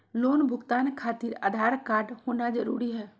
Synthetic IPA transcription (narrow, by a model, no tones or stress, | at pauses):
loːnbʱʊɡt̪aːnkʰaːt̪iɾa̰ːd̪ʱaːɾkaːɾɖhoːnad͡ʒəɾṵːɾiɦɛː